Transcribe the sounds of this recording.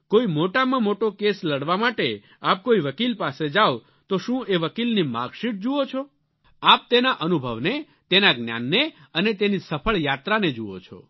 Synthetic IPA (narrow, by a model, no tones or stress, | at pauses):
koimoʈamãmoʈokesləɽʋamaʈe | ap̚koiʋəkilpased͡ʒaw | t̪oʃũeʋəkilnima̰ɡʃiʈ̚d͡ʒuot͡ʃʰo | ap̚t̪enaʔənubʱəʋne | t̪enaɡnja̰nːe | ənet̪enisəpʰəɭjat̪ɾaned͡ʒuʋo̰t͡ʃʰo̰